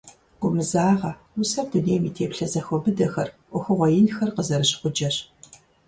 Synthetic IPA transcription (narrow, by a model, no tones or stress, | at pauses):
ɡʷʊmɨzaːʁɐ | wʊsɐrduneːmiːtʰeːpɬɐzɐxʷɔbɨdɐxɐrʔʷɔxʷɨʁʷɔjɪnxɐrqəzɐɾɨɕɪ̥χʷʊd͡ʒɐɕ